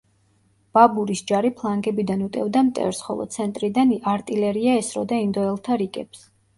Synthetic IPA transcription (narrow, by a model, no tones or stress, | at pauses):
b̥abuɾisd͡ʒaɾipʰlˠaŋɡɛbid̪anut̪ʼɛvd̪amt̪ʼɛ̰vɾsχɔ̰lˠɔ̰t̪sʰɛnt̪ʼɾid̪anaɾt̪ʼilɛɾiaɛsɾɔd̪aind̪ɔɛlˠt̪ʰaɾikʼɛps